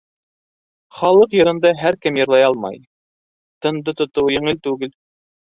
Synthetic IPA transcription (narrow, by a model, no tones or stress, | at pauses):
χɑlˠɤqjɤ̆ɾɤ̆nd̪ɑɦæɾkɘmjɤ̆ɾlˠɑjɑlˠmɑ̰j | t̪ɤ̆nd̪ɤt̪ŏt̪ɤwjɘ̆ɴɘlt̪ʉɡɘl